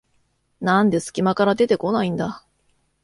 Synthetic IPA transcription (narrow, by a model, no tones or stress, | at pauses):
nãnd̪e̞sɨ̥kʲimakaɾad̪e̞t̪e̞ko̞naĩnd̪a